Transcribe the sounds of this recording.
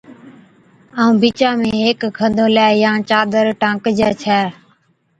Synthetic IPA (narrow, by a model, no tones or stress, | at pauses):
aːũːbiːt͡ʃãːmẽːɦeːkkʰənd̪õːlaːjãːt͡ʃaːd̪əɾʈãːkd͡ʒɛːt͡ʃʰɛː